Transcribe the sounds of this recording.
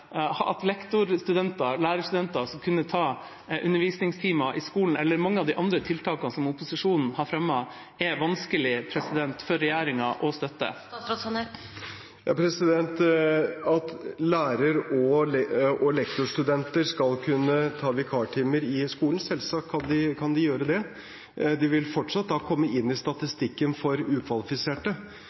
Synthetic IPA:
ɑ̰t̪lɛkt̪ʊɾst̪ʉd̪ɛnt̪ɑlæːɾəst̪ʉd̪ɛnt̪ɑsɔmkʰʉnːət̪ʰɑː | ʔʉ̰nːəɾʋiːsnɪŋst̪ʰiːmɑʔɪskuːln̩ɛlːəɾmɑŋːəɑʋd̪ɪʔɑnd̪ɾət̪ʰɪlt̪ʰɑːkɑnsɔmʊpʊsɪʂuːnn̩hɑɾfɾɛmːɑ | ɛʋɑnskəlɪpʰɾɛsɪd̪ɛnt̪fɔɾːɛjæːɾɪŋɑʔɔst̪œt̪ːə̰ | jɑpʰɾɛsɪd̪ɛnt̪ | ɑt̪læːɾəɾɔ | ɔlɛkt̪ʊʂʈ̪ʉd̪ɛnt̪əɾskɑlkʰʉnːət̪ʰɑːʋɪkʰɑːʈʰiːməɾɪskuːln̩sɛlsɑːkkʰːɑnd̪ɪkʰɑnd̪ɪjøːɾəd̪ɛ | d̪ɪʋɪlfɔʈʂɑt̪̚d̪ɑːkʰɔmːəʔɪnːɪst̪ɑt̪ɪst̪ɪkːənfɔɾʉːkʰʋɑlɪfɪseːʈə

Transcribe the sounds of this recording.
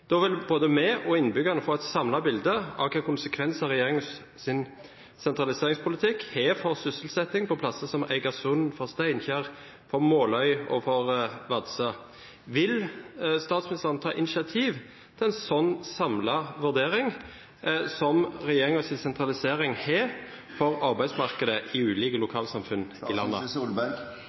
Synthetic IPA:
d̪̥ɔʋɪlboːd̪əmɛʔɔɪnbʏɡɑnəfɔɛɪt̪sɑmlɑbɪld̪əɑ̰ʋkʰɛkʊnsəkʰʋɛnsɑɾɛjeːɾɪŋ | sɪn | sɛnt̪ɾɑlɪseːɾɪŋspʰʊlɪt̪ʰɪkhɛfɔɾsʏsəl̩sɛt̪ːɪŋpʰɔpʰlɑsːəsɔmæ̰ɪɡɑsʉnfɔɾst̪æɪnçæːʁ | fɔɾmoːlœʏɔ̰fɔʁʋɑd̪sə | ʋɪlst̪ɑːt̪smɪnɪst̪əʁənt̪ʰɑ̰ːʔɪnɪʃɑt̪ʰiːʋ | t̪ʰɛlɛnsɔnːsɑmlɑʋʉʁd̪eːɾɪŋ | sɔmʁɛjeːʁɪŋəsɪnsɛnt̪ʰʁɑlɪseːʁɪŋhɛfɔʁɑʁbæɪsmɑʁkəd̪əʔɪʉːliːkəlʊkʰɑːlsɑmfʉnɪlɑnːə̰ulbɛ

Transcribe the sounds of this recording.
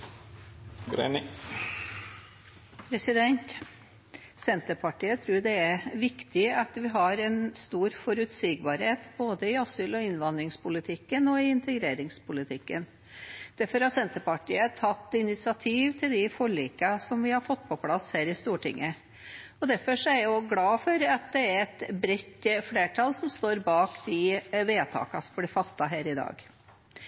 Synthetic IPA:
ɡɾḛnɪ | pʰɾɛsɪd̪ɛnt̪ | sɛnt̪əɾpʰɑʈiːət̪ʰɾʉːɖ̪ɛæɾʋɪkt̪ɪɑt̪ʋɪɦɑɾɛnst̪uːɾfɔɾʉt̪siːɡbɑːɾheːt̪boːd̪əɪɑsʏlɔɪnʋɑnd̪ɾɪŋspʰʊlɪt̪ʰɪkːənɔɪɪnt̪əɡɾeːɾɪŋspʰʊlɪt̪ʰɪkːə̰n | d̪̥æɾfɔɾɑsɛnt̪əpɑʈḭːət̪ʰɑt̪ːɪnɪt̪sɪɑt̪ʰiːʋt̪ʰɪld̪ɪfɔɭiːkɑsɔmʋɪhɑɾfɔt̪ːpʰɔpʰlɑshæːɾɪst̪uːʈʰɪ̰ŋːə | ɔd̪æɾfɔʂɔæɾjʊɡlɑːfɔɾɑt̪̚d̪ɛæɾɛt̪bɾɛt̪ːfleːʈʰɑlsɔmst̪oːɾbɑːkd̪ɪʋeːt̪ʰɑ̰ːkɑsɔmblɛfɑt̪ːɑɦæːɾɪd̪ɑ̰ːɡ

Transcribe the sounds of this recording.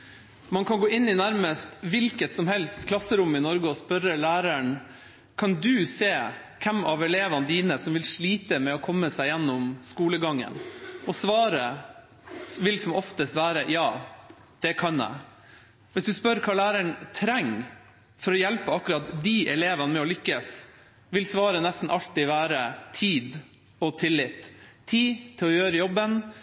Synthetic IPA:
mɑnkʰɑnɡoːɪnːɪnæɾməst̪ʋɪlkət̪sɔmhɛlst̪kʰlɑsːəɾʊmːɪnɔɾɡəɔspœɾəlæːɾæɳ | kʰɑnd̪ʉseː | kʰɛmɑʋɛleːʋənd̪iːnəsɔmʋɪlʂɭiːt̪əmɛɔkʰɔmːəsæɪjɛnːɔmskuːləɡɑŋːə̰nɔsʋɑːɾə | ʋɪlsɔmɔft̪əst̪ʋæːɾəjɑː | d̪̥ɛkʰɑnæ̰ɪ | ʋɪsd̪ʉspœɾkʰɑːlæːɾəɳt̪ʰɾɛŋː | fɔɾɔjɛlpəɑkʉɾɑt̪d̪iːʔɛleːʋənəmɛɔlʏkːəs | ʋɪlsʋɑːɾənɛst̪n̩ʔɑlt̪ɪʋæːɾət̪ʰiːd̪ | ɔt̪ʰɪlːɪt̪ʰːiːt̪ʰɪlɔjøːɾəjɔbːən

